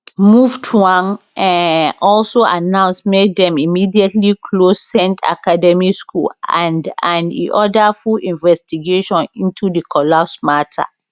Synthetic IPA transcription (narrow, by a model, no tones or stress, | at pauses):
muvtʰuãn | ɔlsoʔanãʊ̃nsmek̚dɛ̃mimidiɛtlikʰlosɛ̃ntʰa̰kadɛmiskulã̰ndãndḭʔɔdafulĩnvɛstiɡeʃɔ̃nĩntʰudəkʰɔlapsmatʰa̰